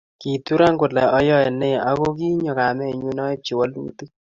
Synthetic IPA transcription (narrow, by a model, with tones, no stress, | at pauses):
ki˨tu˦ɾa˦ŋkʊ˨lɛ˨ɔ˦jɔ˦ɛ˨ne˦˨a˦ko˦k̬i˦ɲɔ˨ka˨mɛ˦˨ɲu˦nɔ˦e˦p̚t͡ʃi˨wa˦lṵ˦ti˦